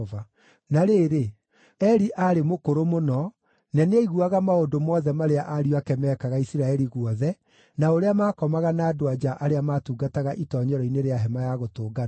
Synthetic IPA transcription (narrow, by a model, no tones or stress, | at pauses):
va | naɾeːɾe | ɛɾiʔaɾemokoɾomonɔ | nɛneiɣuaɣamaodomɔːðɛmaɾeaʔaɾiakɛmɛːkaɣaisiɾaɛɾiɣwɔðɛ | naoɾeamaːkɔmaɣanaːdoad͡ʒaʔaɾeamaːtuɡataɣaʔitɔɲɔɾɔineɾeaɦɛmajaɣotoːɡa